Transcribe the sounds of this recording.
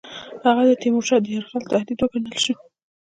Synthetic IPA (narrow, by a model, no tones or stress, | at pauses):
haɣad̪ət̪imoʈad̪əjaɾxɑlt̪ahd̪id̪wəkanəlʃi